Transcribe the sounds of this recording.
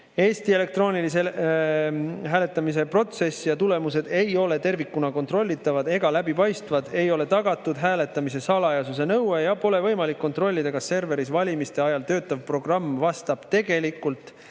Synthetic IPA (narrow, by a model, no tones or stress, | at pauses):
e̞ːst̪ie̞le̞k̚t̪ro̞ːnilise | ɦæːle̞t̪ːˑɑmis̬e̞pro̞t̪se̞sːijɑt̪ule̞muse̞d̪̥e̞jo̞le̞t̪e̞rvikːunɑko̞nt̪ro̞lʲːit̪ːˑɑvɑd̪̥e̞ɡ̥ɑlæbipɑjst̪vɑd̪̥e̞jo̞le̞t̪ɑɡ̥ɑt̪ːˑud̪̥ɦæːle̞t̪ːˑɑmis̬e̞sɑlɑjɑsus̬e̞nɤwejɑpo̞le̞vɤ̞jmɑlikːo̞nt̪ro̞lʲːid̪̥ɑkɑsse̞rve̞ɾisvɑlʲimist̪e̞ɑjɑlt̪ø̞ːt̪ˑːɑvpro̞ɡ̥rɑmːvɑst̪ɑb̥t̪e̞ɡ̥e̞likːˑult̪ˑ